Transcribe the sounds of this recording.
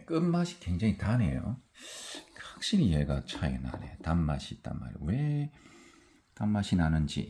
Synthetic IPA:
k͈ɯmmaɕʰi̥kweŋd͡ʑaŋitane̞jo̰ | hak̚ɕ͈iɾijeɡat͡ɕʰaena̰ne̞̰tammaɕʰiːt͈a̰nma̰ɾwe | tamːaɕʰinanɯnd͡ʑḭ

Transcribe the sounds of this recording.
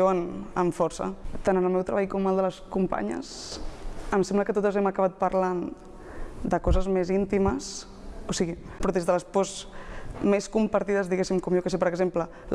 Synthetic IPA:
oənəɱfɔɾsə̰t̪anənəlˠmɛwt̪ɾəβajkɔməlˠd̪ələskumpa̰ɲə̰s | əmsɛmbləkət̪ot̪əzɛməkəβ̞at̪̚pəɾlan | d̪əkɔzəzmezint̪iməs | osiɣipɾɔðezðələspɔz | meskumpəɾt̪ið̞əzðiɣesimkɔmjokəs̬epəɾəɡzemplə

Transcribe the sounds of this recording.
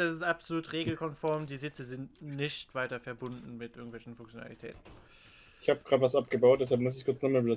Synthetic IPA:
d̥asɪstʔapz̥oluːtʁeːɡl̩kʰɔnfɔɐmdiːzɪt͡səzɪntnɪçtv̥aɪtɐfɛɐbʊndn̩mɪtʔɪɐɡŋ̩tv̥ɛlçn̩fʊŋkt͡sjona̰litʰɛ̰ːtn̩ | ɪçhaːbəɡ̥ʁaːtəvasʔap̚ɡ̥əbaʊt̚d̥ɛs̬alpmʊs̬ɪçkʊɐt͡snɔχmaːlbəlʊ

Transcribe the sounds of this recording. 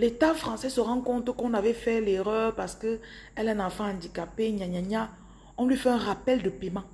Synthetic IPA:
let̪afχɑ̃sɛsəʁɑ̃kɔ̃t̪əkɔ̃navɛfɛleʁœːʁpaʁsə̥kə | ɛlɛ̃nãfɛ̃ɑ̃d̪ikapeɲaɲaɲa | ɔ̃lɥifɛɛ̃ʁapɛld̪əpɛmã

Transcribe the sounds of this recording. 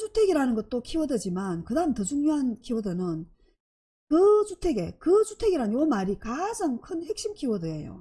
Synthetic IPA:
t͡ɕutʰeɡiɾanɯnɡʌt̚t͈okʰiwʌdʌd͡ʑimankɯdaɯmtʌd͡ʑuŋɲoɦankʰiwʌdɯnɯn | kɯt͡ɕutʰe̞ɡe̞kɯt͡ɕutʰe̞ɡiɾanjomaɾikad͡ʑaŋkʰɯnhe̞k̚ɕ͈imkʰiwʌdɯejo̰

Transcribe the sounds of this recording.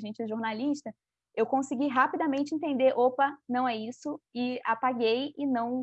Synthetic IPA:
ʒẽnt͡ʃɪʒoɾnaliʃt̪ɐ | ewkõsiɡiɦapid̪ɐmẽnt͡ʃɪẽnt̪ẽnd̪eɾʔopɐnɐ̃w̃ɛisʊɪapaɡejɪnɐ̃w̃

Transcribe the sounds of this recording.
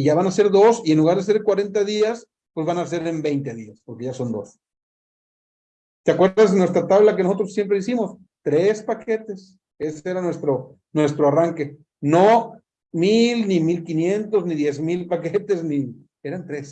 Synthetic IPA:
ʝaβanase̞ɾðo̞sie̞nluɣaɾðese̞ɾkwaɾe̞nt̪̬aðias | pwe̞zβanas̬e̞ɾembe̞jnt̪e̞ðiaspo̞ɾke̞ʝaso̞nd̪o̞̰s | t̪eakwe̞ɾðaznwe̞st̪ɾat̪aβlakeno̞so̞t̪ɾo̞sje̞mpɾeisimo̞s | t̪ɾe̞spake̞t̪e̞s | e̞seɾanwe̞st̪ɾo | nwe̞st̪ɾo̞araŋke̞ | no | milnimilkinje̞nt̪o̞zniðje̞zmilpake̞t̪e̞zni | e̞ɾant̪ɾe̞s

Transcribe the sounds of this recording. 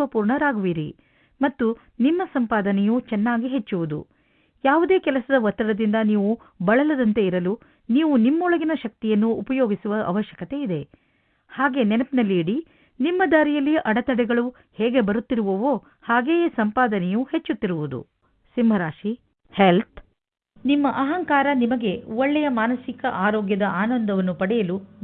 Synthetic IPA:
ɐpuːɾɳɐɾaːɡuʋiɾi | mɐt̪ːu | nimːɐsɐmpaːd̪ɐnɛjut͡ʃɛnːaːɡiɦe̞t͡ʃːuʋud̪ṵ | jaːʋud̪e̞ːkɛlɐsɐd̪ɐʋɐt̪ːɾɐɽɐd̪ind̪ɐniːʋu | bɐɭɐlɐd̪ɐnt̪e̞iɾɐlu | niːʋunimːɐɔɭɐɡinɐʃɐk̚t̪ijɐnːuːpɐjo̞ːɡisuʋɐʔɐ̰ʋɐʃjɐkɐt̪e̞id̪e̞ | haːɡe̞nɛnɐpinɐlːiːɽi | nimːɐd̪aːɾijɐlːijɐʔɐɽɐt̪ɐɽɛɡɐɭu | hɛːɡe̞bɐɾut̪ːiɾuʋuʋo | haːɡeːjesɐmpaːd̪ɐnejuhe̞t͡ʃːut̪ːiɾuʋud̪ṵ | simbʱɐɾaːʃi | helt̪ | nimːɐʔɐɦɐŋkaːɾɐnimɐɡe̞ɔɭːɛjɐmaːnɐsikɐʔaːɾoːɡjɐd̪ɐʔaːnɐnd̪ʱɐʋɐnːupɐɽɛjɐlu

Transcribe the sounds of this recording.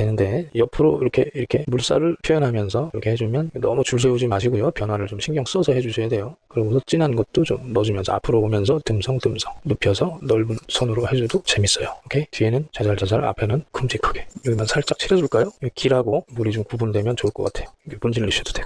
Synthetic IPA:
tenɯnde̞jʌpʰɯɾoiɾʌkʰe̞iɾʌkʰe̞muɭs͈aɾɯɭpʰjʌjʌnɦamjʌnsʰʌiɾʌkʰe̞he̞d͡ʑumjʌnnʌmut͡ɕuɭs̬ʰe̞ud͡ʑimaɕʰiɡujopjʌnwaɾɯɭt͡ɕomɕʰiŋɡjʌŋs͈ʌsʰʌɦe̞d͡ʑusʰʌjadwe̞jokɯɾiɡosʰʌt͡ɕ͈inannɡʌt̚t͈ot͡ɕomːʌd͡ʑumjʌnsʰʌ̰apʰɯɾobomjʌnsʰʌtɯmsʰʌŋtɯmsʰʌŋnopʰjʌsʰʌnʌɭbunsʰʌnuɾohe̞d͡ʑudot͡ɕe̞mis͈ʌjookʰetienɯnt͡ɕad͡ʑaɭt͡ɕad͡ʑaɾa̰pʰe̞nɯnkumd͡ʑʰikʰʌɡe̞joɡimansʰaɭt͡ɕ͈ak̚t͡ɕʰiɾʌd͡ʑuɭk͈ajoekʰiɾɦaɡomuɾit͡ɕomkubundwe̞mjʌnt͡ɕoɭk͈ʌk͈atʰejokʰepund͡ʑiɭːiɕ͈ʰid̥o̥deɡo

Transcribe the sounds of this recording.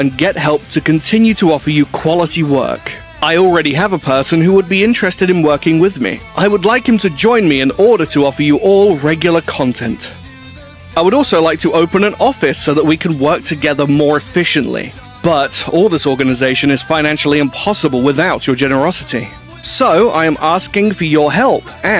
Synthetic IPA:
ɨ̃nɡɛt̚hɛlˠp̚tʰɨkɨ̃ntʰɪ̃njʉɾəɑfə˞jɨkʰw̥ɑlˠəɾiwɜ̰˞k | aɪl̩ˠɹɛɾiəvəpʰɜ˞sɨ̃nɦuwəd̚biɪ̃nt͡ʃɹ̥ɨstɨɾɨ̃nwɜ˞kɪ̃ŋwɪðmḭʔaɪwədˡlaɪkhɨ̃m̩tʰɨd͡ʒɔ̃ɪ̃nmiɨ̃nɔɹɾə˞ɾəɔfə˞jɨʔɔlˠɹɛɡjl̩ˠə˞kʰɑ̃ntʰɛ̰̃nt | aɪwəɾɔlˠsoʊlaɪk̚tʰəʔoʊpɨ̃nɨ̃nɔfɨsoʊðət̚wikʰɨ̃n̩wɜ˞k̚tʰɨɡɛðə˞mɔɹɨfɪʃɨ̃nʔlḭ | b̥ʌɾɔlˠðɪsɔɹɡɨnɨzeɪʃɨ̃nɨz̥fãɪñæ̃nʃl̩ˠiɨ̃mpʰɑsəbəlˠwɪðaʊt͡ʃə˞d͡ʒɛnə˞ɑsɨɾi | soʊa̰ɪɨ̃mæskɪ̃ŋfə˞jə˞ɦɛlˠp | ɨ̃

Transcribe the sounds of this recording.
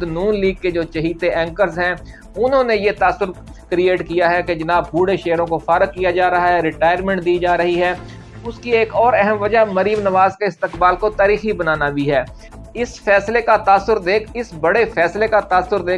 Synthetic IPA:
d̪nuːnliːɡ̚ked͡ʒoːt͡ʃɐɦiːt̪eʔɛ̃ːŋkəɾzɦɛ̃ː | ʊnɦõːnejet̪aːsʊɾ | kɾieːʈkijaɦɛked͡ʒɐnaːb̚buːɽeʃeːɾõkofʰɐɾəkːijad͡ʒaːɾɐɦaɦɛɾɪʈaːɪjəɾmɛ̃ːɳʈ̚d̪iːd͡ʒaːɾɐɦiɦɛː | ʊskieːkɔːɾɛɦəmʋɐd͡ʒaɦməɾiːmnəʋaːzkeɪst̪ɪkbaːlkot̪aːɾiːxibənaːnabʱiɦɛː | ɪsfʰɛːslekat̪aːsʊɾd̪eːkʰɪsbɐɽefʰɛːslekat̪aːsʊɾd̪eː

